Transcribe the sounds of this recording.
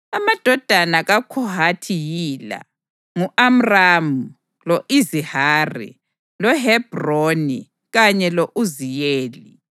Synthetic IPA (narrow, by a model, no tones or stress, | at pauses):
amad̥ʱɔd̥ʱanaɣakʰɔɦatʰijila̰ | ŋuʔam̩ramu | loʔizihaːrḭ | lɔɦɛb̥ronḭ | ɣaɲɛlɔʔuzijeːli